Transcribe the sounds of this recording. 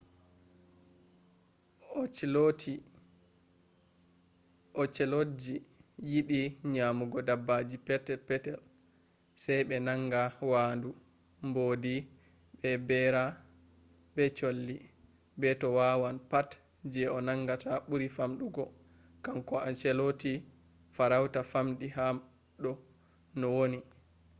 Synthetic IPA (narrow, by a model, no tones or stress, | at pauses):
ɔt͡ʃɛlotʰi | ʔɔt͡ʃɛlod͡ʒijiɓiɲamuɡɔdabːad͡ʒipɛtɛpɛtɛl | sajɓɛnaŋɡawaːndu | mboːdi | ɓɛbɛɾa | bɛt͡ʃolːi | bɛtɔwawanpat | d͡ʒɛɔnaŋɡatʰaɓuɾifamɗuɡɔ | kamkɔʔant͡ʃɛloti | faɾawtafamɗiham | ɗɔ | nɔwoni